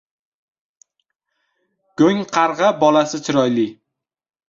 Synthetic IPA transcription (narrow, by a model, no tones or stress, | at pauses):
ɡ̥ɵŋqʰɑɾʁɑbɒlasɪt͡ʃ̪ʰʊɾɒjlɪ